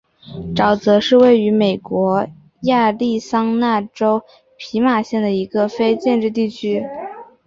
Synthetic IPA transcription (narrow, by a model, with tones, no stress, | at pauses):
ʈ͡ʂɑ˨˩ʊt͡sɤ˧˥ʂɻ̩˥˧we˥˩ɪy˧˥me˨˩ɪkwɔ˧˥ | ja˥˧li˥˩sɑ˥ŋna˥˩ʈ͡ʂo˥ʊ | pʰi˧˥ma˨˩ɕjɛ˥˩nd̪ə˩i˧˥ɡə˧fe˥ɪt͡ɕjɛ˥˧nʈ͡ʂɻ̩˥˧t̪i˥˩t͡ɕʰy˥